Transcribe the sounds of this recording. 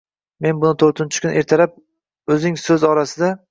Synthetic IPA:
me̞nbʊnɪt̪ʰɵɾt̪ʰɪnt͡ʃʰɪ̥kʰʲʊne̞ɾt̪ʰalap̚ | ɵzɪŋsɵzɒɾasɪd̪a

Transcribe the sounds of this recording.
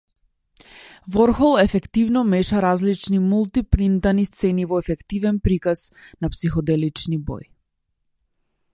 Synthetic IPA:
vɔɾxɔlˠɛfɛkt̪ivnɔmɛʃaɾazlit͡ʃnimulˠt̪ipɾint̪anist̪sɛnivɔɛfɛkt̪ivɛnpɾikasnapsixɔd̪ɛlit͡ʃnibɔ̰j

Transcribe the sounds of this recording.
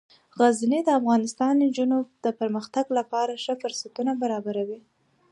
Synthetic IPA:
ɣazned̪əafɣɑnɪst̪ɑnnd͡ʒunubd̪̥əpəɾməxt̪aɡlapɑɾaʂəfʊɾsat̪unabaɾɑbaɾawi

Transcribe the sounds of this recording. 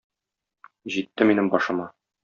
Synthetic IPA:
ʑit̪ːɘminɘmbɒʃɤ̆mɑ

